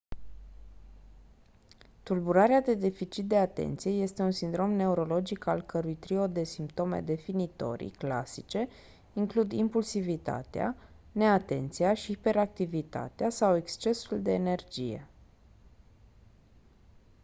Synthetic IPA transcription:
t̪ulbuɾaɾead̪e̞d̪e̞fit͡ʃit̪̚d̪e̞at̪e̞̰nt̪sije̞je̞st̪e̞unsind̪ɾo̞mne̞uɾo̞lo̞d͡ʒikalkəɾujt̪ɾio̞d̪e̞simpt̪o̞mḛd̪e̞finit̪o̞̰ɾḭkla̰sit͡ʃe̞ | iŋklud̪impulsivit̪a̰t̪ea̰ | ne̞at̪e̞̰nt̪sijaʃipe̞ɾak̚t̪ivit̪a̰t̪easawe̞kst͡ʃe̞suld̪e̞ːne̞rd͡ʒije̞̰

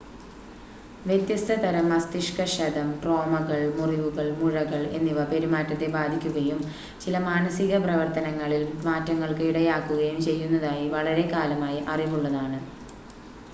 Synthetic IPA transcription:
ʋjet̪jɐst̪ʰɐt̪ɐɾɐmɐst̪iʂkɐɕɐd̪ɐmʈro̞ːmɐɣɐɭmuriʋuɣɐɭmuɻɐɣɐɭe̞nːiʋɐpe̞ɾumaːtːɐt̪ːe̞baːd̪ʱikʲːuɣɐjum | t͡ɕilɐmaːnɐsiɣɐprɐʋɐrt̪ɐnɐŋːɐɭilmaːtːɐŋːɐɭkɨiɽɐjaːkːuɣɐjumt͡ɕe̞jːunːɐðaːjiʋɐɭɐɾe̞kaːlɐmaːjiʔɐrimuɭːɐðaːɳɨ

